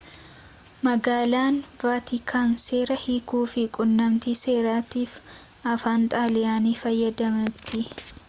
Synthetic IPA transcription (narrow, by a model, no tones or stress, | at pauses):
mɐɡaːlaːnvaːt̪ɪkʰaːnse̞ːɾɐhiːkuːfɪkʼʊnːɐmt̪iːse̞ːɾaːt̪iːf | ʔɐfaːnt̪ʼaːlɪjaːniːfɐjːɐd̪ɐmɐt̪ːɪ